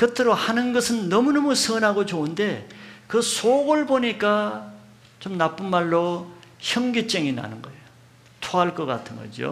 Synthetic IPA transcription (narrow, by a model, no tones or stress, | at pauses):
kɯtʰɯɾohanɯnɡʌsʰɯnːʌmunʌmusʰɯnɦaɡot͡ɕoɯnde̞kɯsʰoɡoɭboɲik͈a | t͡ɕomnap͈ɯnmaɭːoçjʌŋɡet͡ɕ͈eŋina̰nɯnɡʌejo | tʰoaɭk͈ʌk͈a̰tʰɯnɡʌ̰d͡ʑo̰